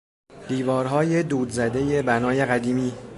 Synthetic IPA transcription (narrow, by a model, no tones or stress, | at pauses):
d̪̥iːvɒːɾɦɒːjed̪uːd̪zæd̪e̞je̞bænɒːje̞ɣæd̪iːmiː